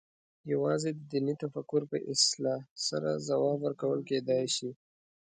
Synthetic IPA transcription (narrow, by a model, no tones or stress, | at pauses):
jawɑzed̪d̪init̪afakːʊɾpəʔɪslɑsa̰ɾazawɑbwəɾkawəlked̪ɑjʃi